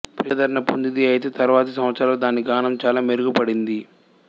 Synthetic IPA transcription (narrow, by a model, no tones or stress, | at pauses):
piɐd̪ɐɾɐnɐpond̪id̪iɐjit̪e̞ːt̪ɐɾuʋaːt̪ɐsɐmʋɐt̪sɾaːloːd̪aːniɡaːnɐmt͡ʃaːlaːmeɾuɡupɐɽind̪i